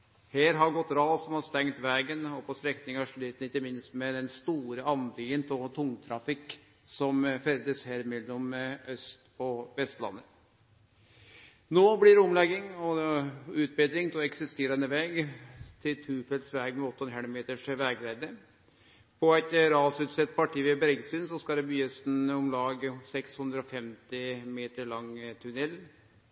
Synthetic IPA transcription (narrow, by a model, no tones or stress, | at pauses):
heːɾɦɑɾɡɔt̪ːɾɑːsɔmhɑst̪ɛŋt̪ʋæːɡənɔpʰɔst̪ɾɛkt̪ɪŋɑʂɭiːt̪n̩ɪçəmɪnst̪mɛd̪ɛnst̪uːɾəɑnʋ̪iːənt̪ʰɔt̪ʰʊŋt̪ʰɾɑfɪkː | sɔmfɛɾd̪əsheːɾmɛlɔmʔœst̪ɔʋɛst̪lɑ̰nːə | noːblɪɾʊmlɛɡːɪŋɔʉːt̪̚bɪd̪ɾɪŋt̪ʰɔɛksɪst̪eːɾɑnəʋɛːɡt̪ʰɪlt̪ʰʉːfɛlsʋɛːɡmɛɔt̪ːɔnəɦɛɳmeːt̪əʂʋæːɡɾæɪd̪ə | pʰɔæɪt̪ɾɑːsʉːt̪sɛt̪̚ːpʰɑʈiːʋɛbɾɡsyːnsɔskɑd̪ɛbyːəsnɔmlɑːɡsɛkshʉnd̪ɾəɔfɛmt̪ɪmeːt̪əɭɑŋt̪ʰʉnɛl